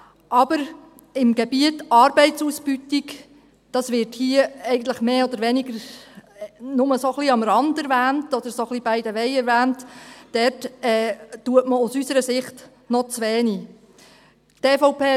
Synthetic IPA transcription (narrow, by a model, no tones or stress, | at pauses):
ʔɑb̥əɾ | ɪmɡebiətɑːɾbɛɪt͡susb̥ytik | d̥ɑsʋɪɾthiəɛɪɡən̩t̪ləχmeːɔd̪əɾʋɛniɡəɾ | nʊməsoχliɑmɾɑndɛɾʋæːntɔd̥̪əɾsoχlib̥ɛɪdəʋɛɪɛɾʋæːntd̥ɛrtɛːtuətməʊsysəɾəsɪχt | nɔt͡sʋɛːni | teːfɔʊpeː